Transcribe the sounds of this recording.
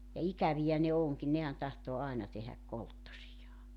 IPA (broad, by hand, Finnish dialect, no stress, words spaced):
jɑ ikæʋijæ ne oŋkin nehæn tɑhtoː ɑenɑ tehæk koltːosijɑː